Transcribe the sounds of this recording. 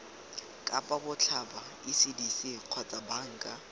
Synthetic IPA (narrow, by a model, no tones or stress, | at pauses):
kʼa̰pʼabʊt͡ɬʰaba | ɪsidisiq͡χʰwat͡sʼabaŋ̩kʼa